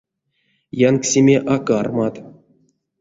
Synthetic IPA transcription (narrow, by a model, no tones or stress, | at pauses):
janksʲimʲeʔakarmat̪